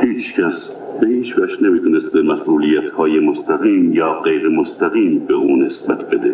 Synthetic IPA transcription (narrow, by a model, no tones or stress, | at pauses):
hiːt͡ʃʰcʰæs | behiːt͡ʃʰvæʃnemiːt̪ʰunest̪̚bemæsʔuːlijæt̪ʰhɑːjemost̪ʰæɣiːmjɒːɢejɾemost̪ʰæɣiːmbeʔuːnesbæt̪ʰbed̪e